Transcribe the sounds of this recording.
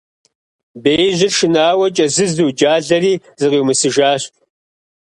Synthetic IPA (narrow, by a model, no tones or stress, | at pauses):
beːjʑʷɪrʃɨnaːwɐt͡ʃʼɐzɨzduːd͡ʒaːɮɐriː | zɨʁiwmɨsɨʒaːɕʼ